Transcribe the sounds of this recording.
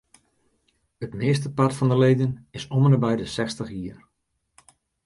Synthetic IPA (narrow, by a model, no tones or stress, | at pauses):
ətmɪəs̬təpatfɑndəlejdənɪsɔmənəbɛjdəsɛstəχjiːər